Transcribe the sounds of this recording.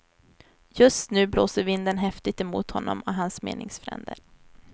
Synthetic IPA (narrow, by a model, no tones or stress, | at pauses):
jɵst̪nʉ̟ːbloːsəɾvɪnd̪ənɦɛft̪ɪt̪ɛmuːt̪hɔnːɔmɔɦansmḛːnɪŋsfɾɛ̰nd̪əɾ